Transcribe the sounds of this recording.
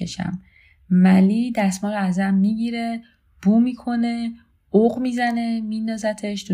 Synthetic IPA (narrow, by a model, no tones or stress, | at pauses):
eʃæ̰mː | æliːd̪æsmɒːɾoæzæmːiːɟiːɾe̞ | b̥uːmiːkʰo̞ne̞ | oɣmiːzæne̞miːnd̪ɒːzæt̪ʰeʃt̪ʰu